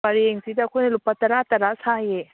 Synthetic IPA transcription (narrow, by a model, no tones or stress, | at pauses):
ɐɾieŋsit̪akʰunelupat̪ɐɾat̪ɐɾasʰaje